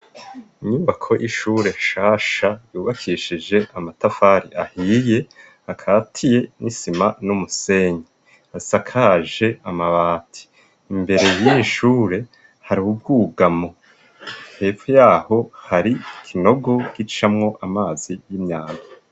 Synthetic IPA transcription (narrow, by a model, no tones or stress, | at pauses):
iɲuːβakʰo̞ʔiʃuːɾe̞ʃaːʃajuːβakʰiʃid͡ʒe̞ʔamatafaːɾḭʔahije̞ | akʰaːtʰije̞nʔisimanumuse̞ɲi | asakʰaʒe̞amaβaːtʰi̥ː | mbe̞ɾe̞jiʃuːɾe̞ | haɾiub̚ɡuːɡamo | he̞ːvujaːho̞haɾikʰino̞ɡo̞ɡ̥it͡ʃamŋo̞ʔamaːzijimɲaːmbi